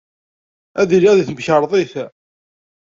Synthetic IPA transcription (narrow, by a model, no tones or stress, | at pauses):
æðiɾiæðiθmçəɾˤðˤiθ